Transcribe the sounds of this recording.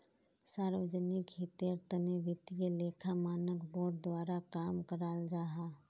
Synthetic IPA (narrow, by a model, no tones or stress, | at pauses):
saːɾʋəd͡ʒənɪkɦɪt̪jəɾt̪ənebɪt̪ijeleːkʰamaːnəkboːɖ̚d̪waːɾakaːmkəɾaːld͡ʒaːɦaː